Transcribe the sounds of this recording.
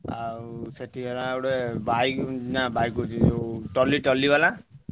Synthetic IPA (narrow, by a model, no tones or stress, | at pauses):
a̰ɾuseʈʰiɦlaːuɽebajknabajkuiʈɔliʈɔlibala